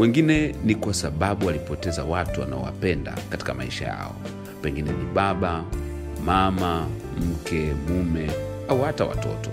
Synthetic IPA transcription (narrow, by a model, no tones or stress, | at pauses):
wɛŋɡinɛnikwasaɓaɓualipɔtɛzawatuwa̰naɔwa̰pɛnda̰kati̥kamaiʃa̰ja̰ɔ | pɛŋɡinɛniɓaɓa | mama | m̩kɛmumɛ | auhatawa̰tɔ̰tɔ